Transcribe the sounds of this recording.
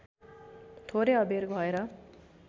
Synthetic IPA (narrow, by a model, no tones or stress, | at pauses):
t̪ʰoɾeʌbeɾbʱʌeɾʌ